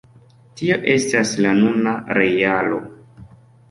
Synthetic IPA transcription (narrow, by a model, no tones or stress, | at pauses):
tio̞ʔe̞staslanunaɾe̞jalo̞̰